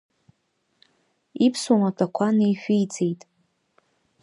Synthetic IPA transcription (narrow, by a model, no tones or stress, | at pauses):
ipʰswamatʰakʷʰanejħʷᶣijd͡zejtʼ